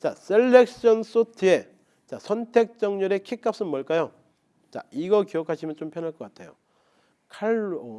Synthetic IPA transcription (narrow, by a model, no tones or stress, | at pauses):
t͡ɕaselːek̚ɕ͈ʌns͈utʰie̞ | t͡ɕasʰʌntʰe̞k̚t͡ɕ͈ʌŋɲʌɾe̞kʰik͈ap̚s͈ɯnmʌɭk͈ajo | t͡ɕa̰iɡʌkiʌkʰaɕʰimjʌnt͡ɕompʰjʌnaɭk͈ʌk͈atʰe̞jo̰ | kʰaɭ